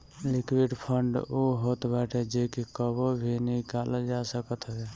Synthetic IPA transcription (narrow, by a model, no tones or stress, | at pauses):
likwiɖpʰəɳɖoɦoːt̪baʈed͡ʒekikəbobʱinikaləd͡ʒasəkət̪ɦəbe